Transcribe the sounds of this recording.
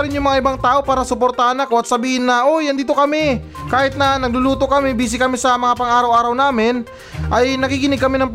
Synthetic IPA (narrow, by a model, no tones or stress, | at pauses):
ɐɾɪnjʊŋmɐŋaʔɪbaŋt̪aːʔo̞paːɾɐsʊpoɾt̪aɐnɐkoʔɐt̪sɐbiːhɪnːɐʔojɐnd̪iːt̪o̞kɐmɛ | kaːhɪt̪̚nɐnɐɡ̚lʊluːt̪okɐmɪbiːs̬ɪkɐmɪsɐmɐŋapɐŋʔaːɾɐwʔaːɾɐwnaːmɪn | ʔɐjnɐɡiɡɪnɪɡ̚kɐminɐŋp